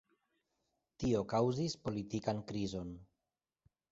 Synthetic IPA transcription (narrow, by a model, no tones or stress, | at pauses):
tio̞kawzispo̞litikankɾizo̞n